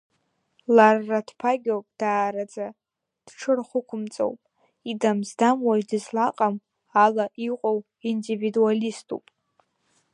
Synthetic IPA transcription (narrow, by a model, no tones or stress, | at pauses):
larːadpʰaɡʲowpʼd̥aːɾad͡za | d̥ʈ͡ʂʰɨrχʷʊkʷʰʊmt͡sʼo̰wpʼ | idamzdamwaidɨzlaqʼam | alaʔiqʷʼow | individualistʰʼṵpʼ